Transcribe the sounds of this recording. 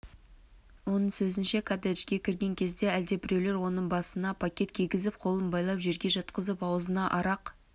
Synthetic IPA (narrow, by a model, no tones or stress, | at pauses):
wo̞nəɴsɵzɪnʃe̞kʰad̪eʃkʲe̞kʲʰɪɾɡʲe̞ŋkʲʰe̞zd̪e̞æld̪e̞bɪɾe̞wle̞ɾwo̞nəɴbɑsənɑpʰakʲe̞t̪kʲʰijɡʲɪzɪpqʰo̞lˠənbɑjlˠɑpʒe̞ɾɡʲe̞ʒɑt̪qəzəpɑwzənɑʔɑɾɑq